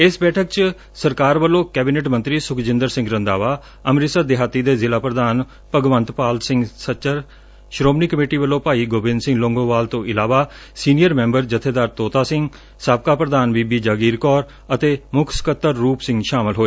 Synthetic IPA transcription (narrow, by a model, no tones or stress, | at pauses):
ɪsbɛːʈʰək̚t͡ʃ | səɾkaːɾʋəlːõːkɛːbineːʈmə̃nt̪ɾiːsʊkʰd͡ʒɪ̃nd̪əɾsɪ̃ŋɡɾənd̪aːʋaː | əmɾɪsad̪ɪɦaːt̪iːd̪eːzɪlaːpɾəd̪aːn | pəɡʋənt̪paːlsɪ̃ŋɡsət͡ʃəɾ | ʃɾoːmniːkəmeːʈiːʋəlːõːpaːiːɡoːbɪnsɪ̃ŋɡlõːŋɡõːʋaːlt̪õːʔɪlaːʋaː | siːnijəɾmɛ̃ːmbəɾd͡ʒət̪ʰeːd̪aːɾt̪oːt̪aːsɪ̃ŋɡ | saːb̚kaːpɾəd̪aːnbiːbiːd͡ʒaːɡiːɾkɔːɾ | ət̪eːmʊkʰskət̪ːəɾːuːpsɪ̃ŋɡʃaːmɪlɦoːeː